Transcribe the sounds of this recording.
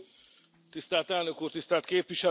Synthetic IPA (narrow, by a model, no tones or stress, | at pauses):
t̪ist̪æːlt̪ɛlnøkuːrt̪ist̪æːlt̪̚keːpʋiʃɛ